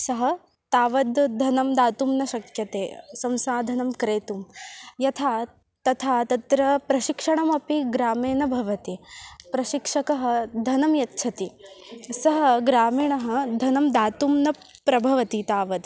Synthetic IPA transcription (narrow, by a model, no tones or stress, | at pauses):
sɐɦɐ̆ | t̪aːʋɐd̪d̪ʱɐnɐmd̪aːt̪umnɐʃɐkʰjɐt̪eːsɐmsaːd̪ʱɐnɐmkɾeːt̪umjɐt̪ʰaː | t̪ɐt̪ʰaːt̪ɐt̪ɾɐpɾɐʃikʂɐɳɐmɐpiɡɾaːmeːnɐbʱɐʋɐt̪ipɾɐʃikʂɐkɐɦɐ̆d̪ʱɐnɐmjɐt̪ːt͡ʃʰɐt̪isɐɦɐɡɾaːmiːɳɐɦɐ̆d̪ʱɐnɐmd̪aːt̪umnɐ | pɾɐbʱɐʋɐt̪it̪aːʋɐd̪